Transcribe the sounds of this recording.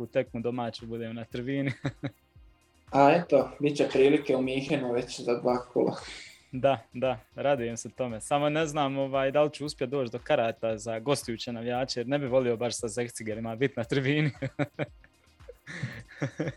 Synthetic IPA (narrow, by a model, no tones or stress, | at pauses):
ut̪e̞kmud̪o̞maːt͡ɕubud̪eːmonat̪ɾ̩biːni | aet̪obit͡ɕepɾiːlikeumiːxenuʋet͡ɕzad̪ʋaːkʰṵlˠa̰ | d̪ad̪aɾad̪uje̞mset̪o̞me̞samo̞ne̞znaːmo̞ʋaːjd̪alit͡ɕuuspjed̪o̞ːt͡ɕd̪o̞kaɾaːt̪azaɡo̞st̪ojuːt͡ɕenaʋjaːt͡ʃeje̞ɾne̞biʋo̞lio̞baʃsazekt̪siɡeɾimabit̪nat̪ɾbiːni